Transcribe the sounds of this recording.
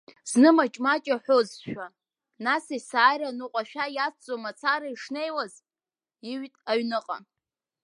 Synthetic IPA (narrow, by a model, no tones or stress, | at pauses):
znɨmat͡ʃʼmat͡ʃʼaħʷozʃᶣa | nasisaːjɾanɨqʷʼaʃᶣajat͡sʰt͡sʼomat͡sʰaɾaiʂne̞jwaz | iɥtʼaɥnɨqʼa̰